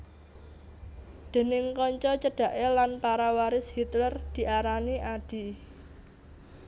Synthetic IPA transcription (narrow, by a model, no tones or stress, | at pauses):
d̪̥e̤nɪŋkɔɲt͡ʃɔt͡ʃəɖ̥ä̤ʔelanpaɾawaɾɪshit̪lərd̪̥i̤ʔaɾaniaɖ̥i̤